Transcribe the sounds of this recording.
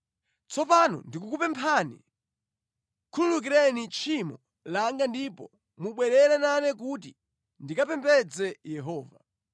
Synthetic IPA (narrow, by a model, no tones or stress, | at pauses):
t͡sɔpanɔ̰ndikukupɛmpʰanḭ | kʰululuk̬iɾɛnit͡ʃʰimɔ | laŋɡandipɔ | muɓwɛɾɛɾananɛk̬ut̬i | ndikapɛmpɛd͡zɛjɛɦɔːva